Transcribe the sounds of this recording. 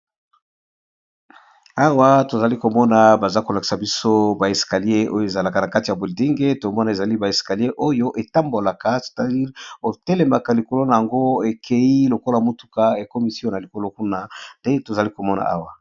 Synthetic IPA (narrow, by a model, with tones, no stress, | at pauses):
a˦wa˦to˨za˨li˦ko˨mɔ˦na˨ba˨za˦ko˨la˨ki̥˨sa˨bi˦so˦ba˨e˨ska˨li˦e˦o˦jo˦˨e˨za˨la˨ka˨na˨ka˦ti˨ja˨bo˨di˦ŋɡe˦to˨mɔ˦na˨e˨za˨li˦ba˨e˨ska˨li˦e˦ʔo˦jo˦ʔe˨ta˦mbo˨la˨ka˨se̥˨ta˨di˦ʁo˨te˦le˨ma˨ka˨li˨ko˨lo˦na˨ja˨ŋɡo˦e˨kʰe˨i˦lo˨ko˦la˨mo˦tu̥˨ka˦e˨ko˦mi˨sjɔ̃˦na˨li˨ko˨lo˦ku˦na˦nde˦to˨za˨li˦ko˨mɔ˦na̰˨ʔa̰˦wa˨